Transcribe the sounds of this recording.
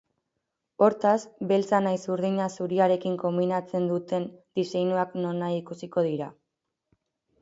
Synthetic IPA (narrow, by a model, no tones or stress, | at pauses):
o̞ɾt̪asbe̞lt͡sanajsuɾðiɲasuɾiaɾe̞kiŋko̞mbinat͡se̞nd̪ut̪e̞nd̪isejnuakno̞naikusiko̞ð̞iɾa